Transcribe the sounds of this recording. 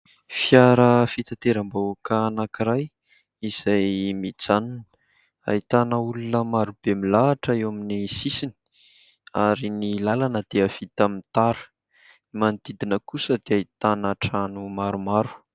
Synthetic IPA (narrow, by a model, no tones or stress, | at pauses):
fjaɾəfit̪at̪eɾambawakəːnakiɾaj | iz̥ajmid͡zanun̥ | a̰it̪anəulunəmaɾub̥emilaːʈ͡ʂəewaminisisini̥ | aɾinilalanəd̪̥eəfit̪amit̪aɾə̥ | mand̪id̪inəkusəd̪eait̪anaʈ͡ʂanumaɾumaɾu̥